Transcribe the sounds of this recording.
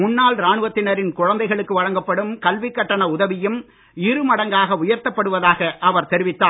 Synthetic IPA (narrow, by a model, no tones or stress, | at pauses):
ʊɳːaːlɾaːɳɯʋɐt̪ːɪnɐɾɪnkʊɻɐnd̪ɐɪɣɐɭɯkːɯʋɐɻɐŋɡɐpːɐɽɯmkɐlʋɪkːɐʈːɐɳɐʊðɐʋɪjɯm | ɪɾɯmɐɽɐŋɡaːɣɐʊjɐɾt̪ɐpːɐɽɯʋɐðaːɣɐʔɐʋɐɾt̪ɛɾɪʋɪt̪ːaː